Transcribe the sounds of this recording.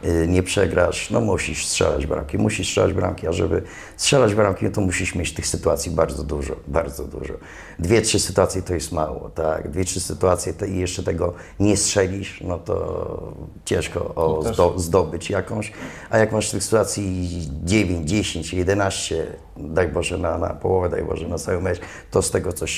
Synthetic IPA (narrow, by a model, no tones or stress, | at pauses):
ɲɛpʂɛɡɾaʂnɔ̰muɕiʂstʂɛ̰la̰d͡ʑbɾa̰mkʲimuɕistʂɛ̰lad͡ʑbɾa̰mkʲiaʐɛbɘ | stʂɛlad͡ʑbɾamkʲinɔt̪ɔmuɕiʂmʲjet͡ɕft̪ɘxsɘt̪uat̪sʲjibaɾd̪zɔd̪uʐɔ̰baɾd̪zɔd̪ṵʐɔ̰ | d̪vʲjɛtʂɘsɘ̥t̪uat̪sʲjɛt̪ɔjɛst̪mawɔ̰t̪aɡd̪vʲjɛtʂɘsɘt̪uat̪sʲjɛt̪ɛijɛʂt͡ʂɛt̪ɛɡɔ | ɲɛstʂɛlʲiʂnɔt̪ɔ̰ | t͡ɕɛ̃ʂkɔ̰ɔzd̪ɔbɘt͡ɕjakɔ̃w̃ɕ | ajakmaʂt̪ɘxsɨ̥t̪uat̪sʲjid͡ʑevʲeɲd͡ʑd͡ʑeɕeɲt͡ɕjɛd̪ɛnaɕt͡ɕɛ | d̪ajbɔʐɛnana̰pɔwɔvɛd̪a̰jbɔ̰ʐɛnat̪sawɛmɛt͡ɕ | t̪ɔst̪ɛɡɔt̪sɔɕ